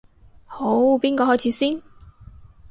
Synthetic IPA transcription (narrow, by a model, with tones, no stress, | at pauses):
ho˨˥wpiː˥nkɔː˧hɔː˨˥jt͡sʰi˨˥siː˥n